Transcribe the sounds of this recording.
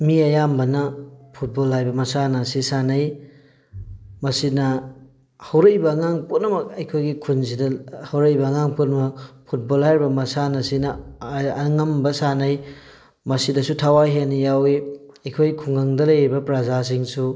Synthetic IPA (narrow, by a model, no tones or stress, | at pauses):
miɐjambɐnɐpʰut̚bolɦajbɐmɐsanɐsisanaj | mɐsinɐ | hɐwɾejbɐːŋaŋpunːɐmɐk̚ɐjkʰojɡikʰunzidɐhɐwɾejbɐːŋaŋpunɐmɐk̚pʰut̚bolhajɾbɐmɐsanɐsinɐː | ŋɐmbɐsanɐj | mɐsidɐsutʰawaɦenijawi | ɐjkʰojkʰuŋɐŋdɐlɐjibɐpɾazas̬iŋsu